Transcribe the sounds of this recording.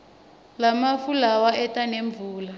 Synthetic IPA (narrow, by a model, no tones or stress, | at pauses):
lamafulawaʔɛtʼaneɱb̪vuːla